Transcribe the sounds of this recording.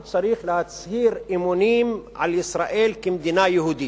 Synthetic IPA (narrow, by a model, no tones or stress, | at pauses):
t͡saɾiːxlehat͡shiːɾʔimunimʕa̰lisɾaʔelkimd̪inajehud̪i